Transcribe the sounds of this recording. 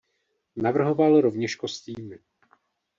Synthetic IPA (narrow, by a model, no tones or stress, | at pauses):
navr̩ɦo̞valɾo̞vɲɛʃkosciːmɪ